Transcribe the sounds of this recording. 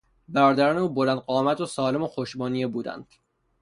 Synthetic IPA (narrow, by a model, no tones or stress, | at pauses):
bæɾɒːd̪æɾɒːneuːbolænd̪̚ɢɒːmæt̪ʰosɒːle̞moxoʃbɒːnijebuːd̪æ̰nd̪̥